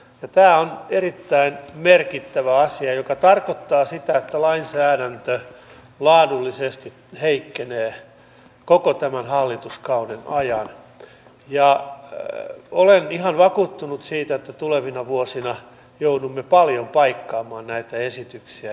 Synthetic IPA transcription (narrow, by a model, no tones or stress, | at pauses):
jɑt̪æːonerit̪ːæinmerkit̪ːæʋæɑsiɑjokɑt̪ɑrkot̪ːɑːsit̪æet̪ːælɑinsæːɾænt̪ø | lɑːdulːisest̪i | heikːeneː | kokot̪æmænhɑlːit̪uskɑunenʔɑjɑn | jɑ | olenihɑnʋɑkuːt̪ːunut̪siːt̪æet̪ːæt̪uleʋinɑʋuosinɑ | joudumːepɑljompɑikːɑːmɑːnnæit̪æesit̪yksiæ